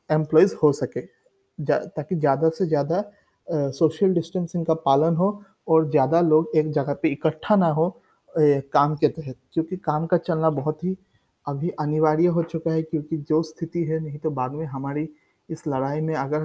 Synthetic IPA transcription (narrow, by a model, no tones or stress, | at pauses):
ẽːmplɔːizhosɐkeː | d͡ʒat̪aːkizjaːd̪asezjaːd̪a | soːʃijəlɖɪsʈə̃nsɪ̃ŋɡkapaːlənɦo | ɔːɾzjaːd̪aloːɡeːk̚d͡ʒɐɡapeɪkəʈʰːanaɦo | kaːmket̪ɛɦɛt̪̚kjõːkikaːmkat͡ʃɐlnabɐɦʊt̪ɦi | ɐbʱiʔɐnɪʋaːɾijaɦot͡ʃʊkaɦɛkjõːkid͡ʒoːst̪ʰɪt̪iɦɛnɐɦĩt̪obaːd̪mẽɦɐmaːɾi | ɪslɐɽaːimẽɐɡəɾ